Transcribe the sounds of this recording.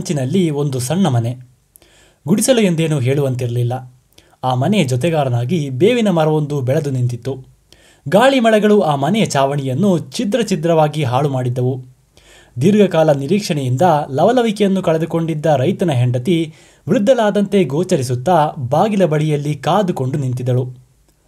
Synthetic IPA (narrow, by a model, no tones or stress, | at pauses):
ɲt͡ʃinɐlːio̞nd̪usɐɳːɐmɐne̞ | ɡuɽisɐlue̞nd̪e̞ːnuɦe̞ːɭuʋɐnt̪iɾɐlilːɐ | aːmɐnɛd͡ʒɔt̪̬ɛɡaːɾɐnaːɡibeːʋinɐmɐɾɐʋo̞nd̪ubɛɭɐd̪unint̪it̪ːu | ɡaːɭimɐɭɛɡɐɭuaːmɐnɛjɐt͡ʃaːʋɐɳijɐnːut͡ʃid̪ɾɐt͡ʃid̪ɾɐʋaːɡiɦaːɭumaːɽid̪ːɐʋu | d̪iɾɡɐkaːlɐniɾiːkʂɐɳɛjind̪ɐlɐʋɐlɐʋikɛjɐnːukɐɭɛd̪uko̞ɳɖid̪ːɐɾɐjt̪ɐnɐɦeɳɖɐt̪i | ʋɾud̪ʱːɐlaːd̪ɐnt̪e̞ɡoːt͡ʃɐɾisut̪ːɐbaːɡilɐbɐɭijɐlːikaːd̪uko̞ɳɖunint̪id̪ɐɭu